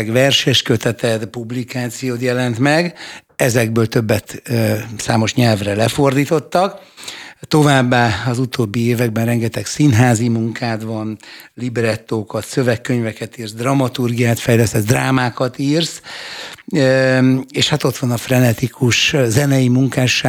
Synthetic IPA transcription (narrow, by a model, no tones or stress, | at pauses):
ɡvɛrʃɛʃkøt̪ɛt̪ɛd̪publikaːt̪sijoːt̪jɛlɛnt̪mɛɡ | ɛzɛɡ̚bøːlt̪øbːɛt̪saːmo̞ʃɲɛlvrɛlɛfo̞rd̪iːt̪o̞t̪ːɒk | t̪o̞vaːbːaːɒzut̪oːbːieːvɛɡ̚bɛnrɛŋɡɛt̪ɛksinɦaːzimuŋkʰaːt̪ʋɒnlibɾɛt̪ːoːkɒt̪søvɛkːøɲvɛkɛt̪iːrsd̪rɒmɒt̪urɡijaːt̪fɛjlɛst̪ɛzd̪raːmaːkɒt̪iːrs | eːʃhat̪o̞t̪ʋɒnɒfrɛnɛt̪ikʰuʃzɛnɛjimuŋkaːʃːa